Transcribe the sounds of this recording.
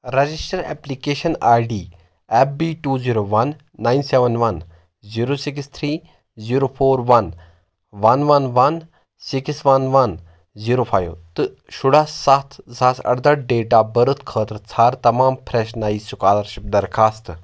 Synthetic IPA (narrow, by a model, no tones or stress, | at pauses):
ɾɐd͡ʒisʈɐɾɛ̰ːplikeːʃɐnaːɾɖiː | ɛp̚biːʈuːziːɾoːʋɐnː | aːjnseʋɐnʋɐn | ziːɾoːsikst̪ʰɾiː | ziɾoːpʰoːɾʋɐn | ʋɐnʋɐnʋɐn | siksʋɐnʋɐn | ziːɾoːpʰaːjʋt̪ɨ | ʃʊɽaːsat̪ʰzaːsʰɐ̰ɽd̪ɐɾɖeːʈaːbɐɾut̪ʰkʰəːt̪ɾt͡sʰaːɾt̪ɐmaːmpʰɾɛʃnaːisʊkaːlɐɾʃip̚d̪ɐɾkʰaːst̪